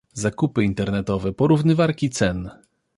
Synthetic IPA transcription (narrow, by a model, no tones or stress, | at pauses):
zakupɘint̪ɛɾnɛt̪ɔvɛpɔɾuvnɘvaɾkʲit̪sɛn